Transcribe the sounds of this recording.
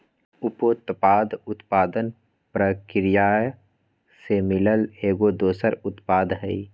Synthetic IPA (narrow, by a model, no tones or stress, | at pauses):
ʊpot̪paːd̪ʊt̪paːd̪ən | pɾəkɾɪjaː | semɪləleːɡod̪oːsəɾʊt̪paːd̪ɦɛi